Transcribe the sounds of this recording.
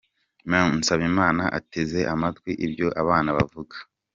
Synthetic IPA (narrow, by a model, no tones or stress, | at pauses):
man̩saβimaːnaʔateze̞ʔamatɡwiʔibjo̞ʔaβaːnaβa̰vuɡḁ